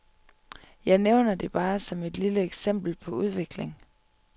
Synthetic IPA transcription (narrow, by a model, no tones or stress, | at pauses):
jɑ̈ɪneʊnɐd̥e̝b̥ɑ̈ːsɒ̽me̝d̥liləeɡ̥sem̰b̥l̩pʰɒ̽uð̞ˠʋe̝ɡ̥le̝ŋ